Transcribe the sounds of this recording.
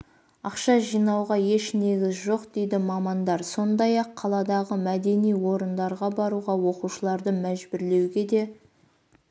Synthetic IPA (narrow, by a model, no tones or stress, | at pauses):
ɑqʃɑʒijnɑwʁɑje̞ʃne̞ɡʲɪzʒo̞qd̪̥e̞jd̪ɪmɑmɑnd̪ɑɾso̞nd̪ɑjɑqʰːɑlˠɑd̪ɑʁəmæd̪e̞nijwo̞ɾənd̪ɑɾʁɑbɑɾuʁɑwo̞quʃəlˠɑɾd̪əmæʒbɪɾle̞wɡʲe̞d̪e̞